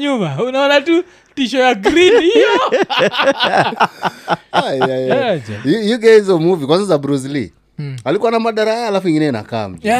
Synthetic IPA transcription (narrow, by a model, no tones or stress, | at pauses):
ɲumaunaɔnatu | tiʃɔjaɡɾinihijɔ | ajaad͡ʒaiuɡɛhizɔmuvikwanzazabɾuzli | alikuanamaɗaɾaaːlafuiŋɡinɛina̰ka̰ːm̩d͡ʒ